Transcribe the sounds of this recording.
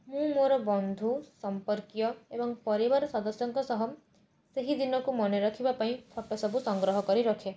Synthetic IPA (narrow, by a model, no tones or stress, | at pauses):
mũmoɾɔbɔnd̪ʱusɔmpɔɾkjɔebɔŋpɔɾibaɾɔsɔd̪ɔsjɔŋkɔsɔɦɔm | seɦid̪inɔkumɔneɾɔkʰibapaĩpʰɔʈɔsɔbusɔŋɡɾɔɦɔkɔɾiɾɔkʰe